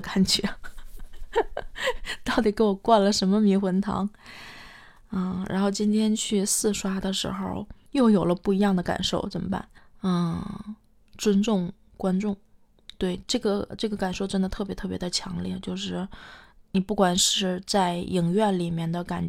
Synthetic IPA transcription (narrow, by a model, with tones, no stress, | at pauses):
ka˨˩nt͡ɕɥɛ˧˥ | t̪ɑ˥˩ʊt̪̬i˨˩ke˧˥ɪwɔ˨˩kwa˥˩nlə˩ʂə˧˥nmə˧mi˧˥xwə˧˥nt̪ʰɑ̰˧˥ŋ˥˩ | ɻa̰˧˥nxo˥˩ʊt͡ɕi˥nt̪ʰjɛ˥nt͡ɕʰy˥˧sɹ̩˥˧ʂwa˥d̪ə˨ʂɻ̩̰˧˥xo̰˧ʊjo˥˩ʊjo˨˩ʊlə˦pu˥˩i˧˥jɑ˥˩ŋd̪ə˩ka̰˨˩nʂo˥˩ʊt͡sə˨˩mə˦˥pa̰˥˩˦n̩˥˧˩ | ʈ͡ʂwə˥nʈ͡ʂʊ˥˩ŋ | kwa˥nʈ͡ʂʊ˥˩ŋ | t̪we˥˩ɪʈ͡ʂɤ˥˩ɡə˩ʈ͡ʂɤ˥˩ɡə˩ka˨˩nʂo˥˩ʊʈ͡ʂə˥nd̪ə˨t̪ʰɤ˥˩p̬jɛ˧˥t̪ʰɤ˥˩pjɛ˧˥d̪ə˧t͡ɕʰjɑ̰˧˥ŋljɛ˥˩t͡ɕjo˥˧ʊʂɻ̩˥˩ni˨˩pu˥˩kwa˨˩nʂɻ̩˥˧t͡sa˥˩ɪi˨˩ŋɥɛ˥˩nli˨˩mjɛ˥˩nd̪ə˩ka̰˨˩n